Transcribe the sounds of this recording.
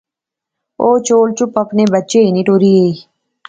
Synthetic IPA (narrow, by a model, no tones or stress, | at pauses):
oːt͡ʃoːlt͡ʃʊpəpneːbətːt͡ʃeːinĩːʈoːɾiːɦeːiː